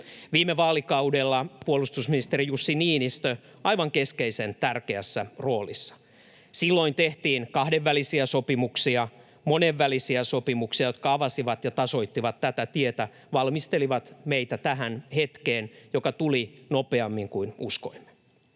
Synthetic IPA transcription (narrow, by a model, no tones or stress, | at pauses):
ʋiːmːeʋɑːlikɑudelːɑpuolust̪usminist̪erijusːiniːnist̪ø | ɑiʋɑŋke̞skeise̞nt̪ærkeæsːæro̞ːlisːɑ̥ | silːoint̪eht̪iːnkɑhdeʋːælisiæso̞pimuksiɑ | moneʋːælisiæsopimuksiɑjot̪kɑɑʋɑsiʋɑt̪jɑt̪ɑso̞it̪ːiʋɑt̪tæt̪æt̪iet̪æ | ʋɑlmist̪eliʋɑt̪meijt̪æt̪æɦænhet̪keːnjo̞kɑt̪ulinope̞ɑmːiŋkuinusko̞̰imːe̥